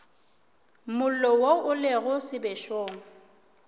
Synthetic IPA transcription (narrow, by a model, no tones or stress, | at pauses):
mʊl̩lɔwoʊleɣʊsɪbeʃoːŋ̩